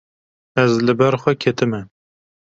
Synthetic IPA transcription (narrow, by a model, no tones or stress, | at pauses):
ɛzlɨbɛɾxʷɛkʲʰet̪ɨmɛ